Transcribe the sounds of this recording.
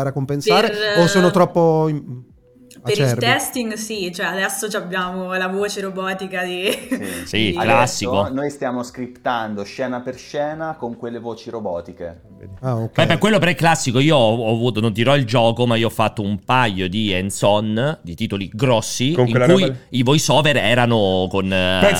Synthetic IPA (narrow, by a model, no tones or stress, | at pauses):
aɾakːompensaːɾeosoːnot̪ɾɔpːo | peɾilt̪ɛst̪iŋɡsit͡ʃoɛad̪ɛsːot͡ʃiabjaːmolavoːt͡ʃeɾobɔːt̪ikad̪isiklasːikonojst̪jaːmoskɾipt̪and̪oʃɛːnaperʃɛːnakoŋkwelːevoːt͡ʃiɾobɔːt̪ike | kɛpːekwelːopeɾɛkːlasːikoiːoɔːvuːt̪onond̪iɾɔild͡ʒɔːkomaioɔfːat̪ːoumpajod̪iɛnsɔnd̪it̪iːt̪oliɡɾɔsːiiːŋkujivɔːjsɔːveɾɛːɾanokon